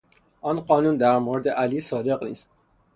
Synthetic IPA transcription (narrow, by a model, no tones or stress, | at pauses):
ʔɒːnɢɒːnuːnd̪æɾmoɾd̪eʔæliːsɒːd̪e̞ɣnḭːst̪̚